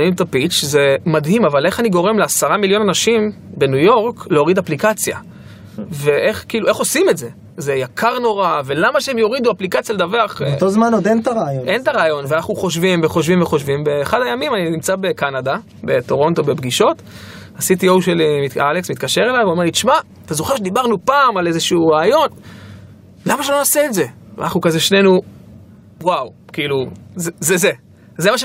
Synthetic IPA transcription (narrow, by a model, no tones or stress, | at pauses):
nimt̪apit͡ʃze̞madɦimavale̞χaniɡo̞ʁe̞mleasaʁamiljo̞nanaʃimbe̞nujo̞ʁkleo̞ʁidaplikat͡sja̰ | ve̞ʔe̞χkiːlueχo̞simetze̞ | zejakʰaʁno̞ʁave̞lamaʃeemjo̞ʁid̪uaplikat͡sjaled̪aveaχot̪ozmanod̪ent̪aʁaːjonʔe̞ntaʁaːjo̞nveanaχnuχo̞ʃvimveχo̞ʃvimveχo̞ʃvimbe̞ːχadajamimaninimt͡sabe̞kanada | be̞to̞ʁo̞nt̪o̞be̞bɡiʃo̞t | asit̪iowʃelimitaleksmit̪kaʃe̞ʁelajvomelit͡ʃma | t̪azoχeʁʃed̪ibaʁnupaːmalezeʃuuʁaːjo̞n | lamaʃelonaseːtze̞va̰naχnukazeʃne̞nu | wawkiiːluzzeze | zemaʃ